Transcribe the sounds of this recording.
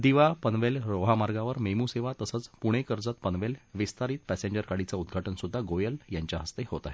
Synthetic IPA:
d̪iʋapənʋelɾoɦamaɾɡaʋəɾmemuseʋat̪əsət͡spuɽ̃ekəɾd͡zat̪̚pənʋelʋist̪aɾiːt̪pæseɲd͡ʑəɾkaɽit͡saud̪ɡʱaʈənsud̪ʱːaɡojəljaɲt͡ɕjaɦəst̪ehot̪aɦe

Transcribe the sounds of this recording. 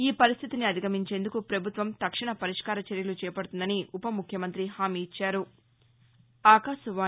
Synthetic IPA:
iːpɐɾist̪ʰit̪iniɐd̪ʱiɡɐmiɲt͡ʃe̞ːnd̪ukupɾɐbʱut̪ʋɐmt̪ɐkʂiɳɐpɐɾiʂkaːɾɐt͡ʃɐɾjɐlut͡ʃɛːpɐɽut̪und̪ɐniʔupɐmukʰjɐmɐnt̪ɾiɦaːmiːit͡ʃːaːɾu | aːkaːʃɐʋaː

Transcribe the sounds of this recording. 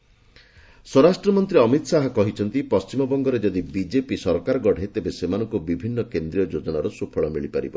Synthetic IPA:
sɔɾasʈɾɔmɔnt̪ɾiɔmit̪ɔsaɦɔkɔɦit͡ʃʰɔnt̪ipɔst͡ʃimɔbɔŋɡɔɾed͡ʒɔd̪ibid͡ʒepisɔɾkaɾɔɡɔɽ̤ʱet̪ebesemanɔŋkubibʱinːɔkend̪ɾiɔd͡ʒod͡ʒɔnaɾɔsupʰɔɭɔmiɭipa̰ɾḭbɔ

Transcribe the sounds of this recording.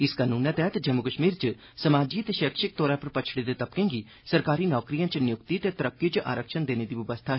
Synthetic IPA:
ɪskanuːnãt̪ɛɦət̪d͡ʒəmukəʃmiːɾt͡ʃə | səmaːd͡ʒiːət̪eʃeːkʃɪk̚t̪ɔːɾãːpɐɾpɐt͡ʃʰɽeːd̪et̪ɐpkẽːŋɡi | səɾkaːɾiːnɔːkɾijãːt͡ʃənjʊkt̪it̪et̪əɾəkːijot͡ʃʔa̰ːɾəkʃənd̪eːneːd̪iːʋəʋəst̪ʰaːɦ

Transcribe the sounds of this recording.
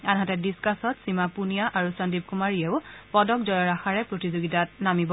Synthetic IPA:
anɦatɛdiskasɔtsimapunijaʔaɹusandip̚kumaɹiɛʊpɔdɔk̚zɔjɔɹaxaɹɛpɹotizoɡitatnamibɔ

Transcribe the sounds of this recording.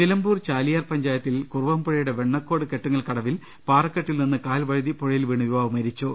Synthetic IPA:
nilɐmbuːrt͡ɕaːlijaːrpɐɲd͡ʑaːjɐt̪ːilkurʋɐːmpoɻɐjuɽe̞ʋe̞ɳːɐkːoːɽɨke̞ʈːuŋːɐɭkɐɽɐʋil | paːrɐkːeʈːilninːɨkaːlʋɐɻiðipoɻɐjilʋiːɳɨʋibaːʋɐmɐɾit͡ɕːo

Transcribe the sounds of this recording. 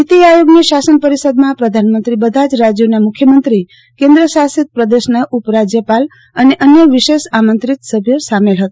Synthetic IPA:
nit̪iajoɡneʃasənpəɾisəd̪mãpɾəd̪ʱanmənt̪ɾibəd̪ʱad͡ʒɾad͡ʒjonamʊkʰjəmənt̪ɾi | kẽnd̪ɾəsasit̪̚pɾəd̪əʃnəʔupɾad͡ʒjəpal | əneʔənjəʋiʃeʃamənt̪ɾit̪səbʱjəsamelɦət̪o̥

